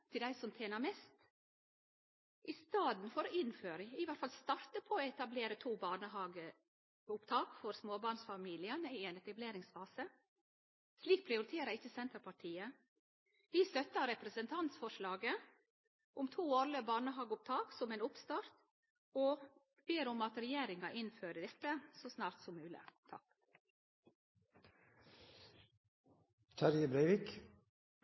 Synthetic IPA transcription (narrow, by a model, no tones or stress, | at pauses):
t̪ʰɪld̪æɪsɔmt̪ʰeːnəɾmɛːst̪ | ʔɪst̪ɑːd̪n̩fɔɾɔɪnføːɾəɪʋæt̪fɑlst̪ɑɾt̪əpʰɔɔɛt̪ɑbleːɾət̪ʰuːbɑːɳəhɑːɡə | ʊpt̪ʰɑːkfɔɾsmoːbɑɳsfɑmiːlɪənɪenɛt̪ɑbleːɾɪŋsfɑːsə | sliːk̚pʰɾɪʊɾɪt̪ʰeːɾəɾɪçːəsɛnt̪əɾpʰɑʈʰiːə | ʋiːst̪œt̪ːəɾɛpɾəsənt̪ʰɑnt̪sfɔʂlɑːɡə | ʔʊmt̪ʰuːɑɾləbɑːɳəɦɑːɡʊp̚t̪ʰɑːksɔmeːnʊpst̪ɑːɾt̪ | ɔ | b̥eːɾʊmɑt̪ɾɛjeːɾɪŋɑʔɪnføːɾəd̪ɛt̪ːəsɔsnɑːɾt̪sɔmːʉːlɪ̰t̪ʰɑk | t̪ʰɑɾjəbɾæɪʋɪk